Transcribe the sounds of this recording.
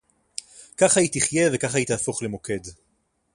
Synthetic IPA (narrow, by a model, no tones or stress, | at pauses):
kaχajitiχje̞vekaχajit̪iaːfoχlemo̞ke̞d